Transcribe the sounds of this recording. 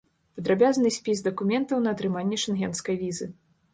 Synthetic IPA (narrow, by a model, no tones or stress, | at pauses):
pɐd̪ɾabʲaznɨsʲpʲizd̪ɐkumʲɛnt̪ɐwnɐːt̪ɾɨmanʲːɛʂɨnɦʲɛnskɐjvʲizɨ